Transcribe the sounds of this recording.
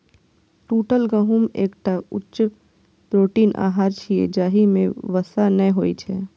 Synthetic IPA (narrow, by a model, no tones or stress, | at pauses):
ʈuːʈəlɡə̃ɦumeːkʈaʊt͡ʃ | pɾoːʈiːnʔa̰ːɦaːɾt͡ʃʰiḛd͡ʒaːɦimẽʋəsanəɦoːit͡ʃʰɛː